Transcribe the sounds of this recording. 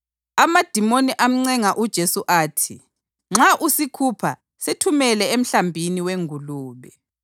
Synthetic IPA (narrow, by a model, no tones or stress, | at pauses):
amad̥ʱimoniʔam̩ŋ͡ǀɛŋaʔud̥ʒ̥ʱesuʔaːtʰi | ŋ͡ǁaʔusikʰupʰa̰ | setʰumɛlɛem̩ɬambʱiniweŋʱuluːβɛ